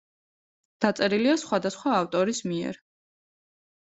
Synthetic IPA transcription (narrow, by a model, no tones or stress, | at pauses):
d̪̥at̪sʼɛɾiliasχwad̪asχwaːft̪ʼɔɾismiɛ̰ɾ